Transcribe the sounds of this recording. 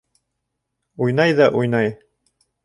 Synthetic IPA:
ujnɑjðɑʔujnɑj

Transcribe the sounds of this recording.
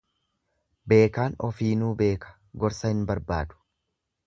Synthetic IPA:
be̞ːkaːnɔfiːnuːbe̞ːkɐ̥ | ɡɔɾsɐhɪnbɐɾba̰ːd̪ʊ̥

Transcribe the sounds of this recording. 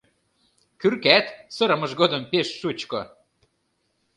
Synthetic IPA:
kyrkæt̪sɤ̆ɾə̆mɤ̆ʒɡod̪ɤ̆mpeʃːut͡ɕko

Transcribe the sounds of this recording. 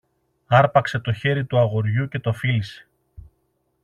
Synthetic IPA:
ɐɾpɐkse̞t̪o̞çe̞ɾit̪uɐɣo̞ɾʝuce̞t̪ofilise̞̥

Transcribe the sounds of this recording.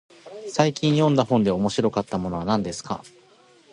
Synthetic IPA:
saikʲĩɰ̃jõ̞nd̪ahõ̞nd̪e̞o̞mo̞ɕiɾo̞kat̪ːamo̞no̞β̞anãnd̪e̞sɨ̥ka̰

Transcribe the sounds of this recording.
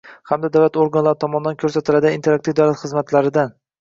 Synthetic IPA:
hamd̪ad̪awlat̪oɾɡanlaɾɪt̪ʰɒmɒnɪd̪ankʰɵɾsat̪ʰɪlad̪ɪint̪eak̚t̪ifd̪awlat̪χɨzmat̪laɾɪd̪an

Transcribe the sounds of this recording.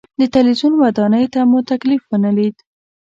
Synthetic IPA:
d̪ət̪alwizunwad̪ɑnəjt̪amut̪aklifwənalid̪

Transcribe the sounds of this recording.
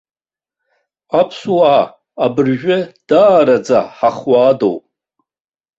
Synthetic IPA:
apʰswaː | bɨrʒᶣɪd̥aːɾad͡za̰ħaχwaːdo̰wpʼ

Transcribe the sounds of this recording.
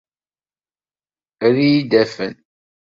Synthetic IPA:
ɾijid̪æfən

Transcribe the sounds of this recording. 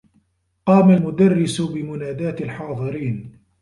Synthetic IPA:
qɑːmalmʊd̪arˤːɪsʊbɪmʊnaːd̪aːt̪alħɑːðˤɨɾiːn

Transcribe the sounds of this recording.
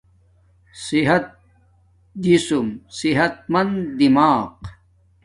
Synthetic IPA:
siɦɐt̪̚ | d̪isumsiɦɐt̪̚mɐnd̪d̪imaːq

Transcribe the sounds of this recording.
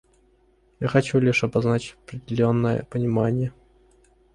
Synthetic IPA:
jaxɐt͡ɕulʲɪʂɐbaznat͡ɕʲɐpɾʲɪdʲɪlʲo̞nːəjə̰pənʲɪmanʲɪjə

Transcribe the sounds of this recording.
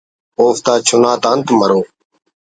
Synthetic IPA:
oːft̪aːt͡ʃʰʊnaːt̪aːnt̪məɾoː

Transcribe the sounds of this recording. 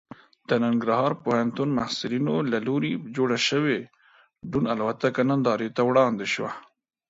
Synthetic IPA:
d̪̥ənaŋɡɾaɦɑɾpohant̪unmahsɪlinolaloɾid͡ʒoːɽaʃəwe | ɖunalwat̪akanand̪ɑːɾet̪awɽɑːnd̪eʃwa̰

